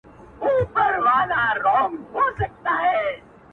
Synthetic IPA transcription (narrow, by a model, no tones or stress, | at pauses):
uːpəɾʋaːlaːɾɔːŋɦoːsək̚t̪aːɦɛː